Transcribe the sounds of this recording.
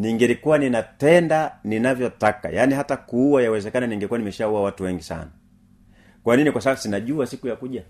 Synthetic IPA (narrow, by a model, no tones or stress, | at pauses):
niŋɡɛlikuwaninatɛndaninavjɔtaka̰jaːniɦatakuːwajawɛzɛkananiŋɡɛkuwanimɛʃauawatuwɛŋɡisa̰na | kwaninikwasaasinaʄuasikujakuʄa